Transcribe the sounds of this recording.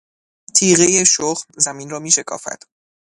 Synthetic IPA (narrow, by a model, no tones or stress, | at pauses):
t̪ʰiːɣejeʃoχmzæminrɒːmiːʃe̞kʰɒ̰ːfæ̰d̪̥